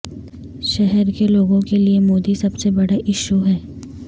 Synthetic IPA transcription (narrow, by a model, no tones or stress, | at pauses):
ʃɛɦɛɾkeloːɡõkeliemoːd̪isɐbsebɐɽaʔɪʃuɦɛː